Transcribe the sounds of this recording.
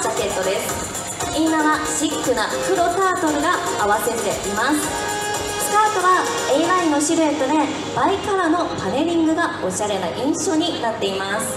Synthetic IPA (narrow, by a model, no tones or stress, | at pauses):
t͡ɕake̞t̪ːo̞d̪e̞sɨ̥ | inamaɕikːɯ̟nakɯ̟ɾo̞t̪aːt̪o̞ɾɯ̟ɡaːβase̞ɾɾe̞̰ʔimasɨ̥ | sɨ̥t̪aːt̪o̞βa | e̞ːɾaino̞ɕiɾɯ̟et̪od̪e̞ | baikaɾano̞pʰane̞ɾʲĩŋɡɯ̟ɡao̞ɕaɾe̞na̰ʔĩɰ̃ɕo̞ːɲ̟inat̪ːe̞imasɨ̥